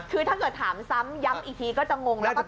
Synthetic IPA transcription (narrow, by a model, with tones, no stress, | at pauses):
kʰɯː˧t̪ʰa˦˥˩kɤː˨˩t̪̚ʰaː˩˦msa˦˥mja˦˥mʔiː˨˩t̪ʰiː˧kɔː˥˩t͡ɕa˨˩ŋo˧ŋlːk